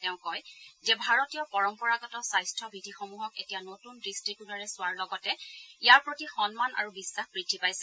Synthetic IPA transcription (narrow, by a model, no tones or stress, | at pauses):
tɛʊ̃kɔjzɛbʱaɹɔtijɔpɔɹɔmpɔɹaɡɔtɔsajstʰɔbʱidʱixomuɦɔketijanotundistɹibjunaɹɛsʊaɹlɔɡɔtɛijaɹpɹotixɔnmana̰ɹubisːaxpɹitʰːipajsɛ̥